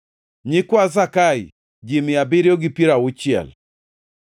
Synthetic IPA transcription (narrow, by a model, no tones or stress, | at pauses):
ɲikwas̬akaḭ | d͡ʒimiabiɾiɔɡipiɾaut͡ʃjɛ̰l